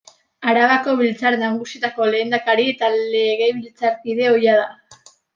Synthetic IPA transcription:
aɾaβako̞β̞ilt͡saɾenaŋɣusiet̪ako̞le̞ːnd̪akaɾie̞t̪ale̞ɣ̞e̞jβilt͡saɾkiðe̞o̞jað̞a

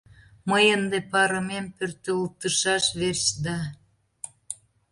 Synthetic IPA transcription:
məjənd̪epɑɾəmempørt̪øult̪əʃɑʃβerɕd̪ɑ

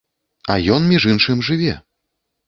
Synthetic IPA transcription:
ɐ̰jɔnmʲiʐɨnʂɨmʲʐɨvʲɛ̰

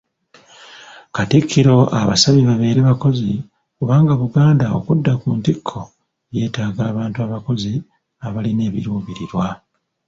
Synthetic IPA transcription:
katikʰːiɾo̞ʔa̰βa̰saβiβaβe̞ːɾeβako̞zi | kuβaːŋɡaβuɡaːndao̞̰kudːakuntikʰːo̞ | je̞ːtaːɡaːβaːntuaβako̞zi | aβaline̞ːβḭɾuːβiɾiɾwa

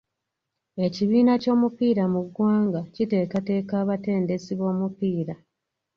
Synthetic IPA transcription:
e̞ciβiːnaco̞ːmupiːɾamuɡːwaːŋɡacite̞ːkate̞ːkaːβate̞ːnde̞siβo̞ːmupiːɾa

